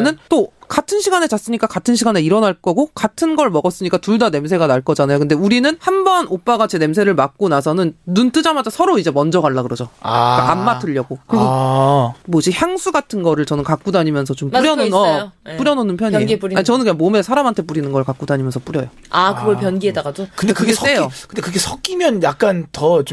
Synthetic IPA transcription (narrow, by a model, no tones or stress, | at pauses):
nɯnt͈okatʰɯnɕʰiɡane̞t͡ɕas͈ɯɲik͈akatʰɯnɕʰiɡaneiɾʌnaɭk͈ʌɡokatʰɯnɡʌɭmʌɡʌs͈ɯɲik͈atuɭdane̞msʰe̞ɡanaɭk͈ʌd͡ʑanajokɯnde̞uɾinɯnhanbʌnop͈aɡat͡ɕe̞ne̞msʰe̞ɾɯɭmak̚k͈onasʰʌnɯnnunt͈ɯd͡ʑamad͡ʑasʰʌɾoid͡ʑe̞mʌnd͡ʑʌɡaɭːaɡɯɾʌd͡ʑokaamːatʰɯʎːʌɡokɯɡo | moɕʰiçjaŋsʰuɡatʰɯnɡʌɾɯɭt͡ɕʌnɯnkak̚k͈udaɲimjʌnsʰʌt͡ɕomɾjʌnonʌp͈uɾjʌnonɯnpʰjʌɲpɾiaɲit͡ɕʌnɯnkɯɲaŋmome̞sʰaɾamantʰe̞p͈uɾinɯnɡʌɯɭkak͈udaɲimjʌnsʰʌp͈uɾjʌjo | akɯɡʌɭpjʌnɡiedaɡadokɯndekɯɡess͈ejokɯnde̞kɯɡe̞sʰʌk͈imjʌnjak̚k͈antʌt͡ɕo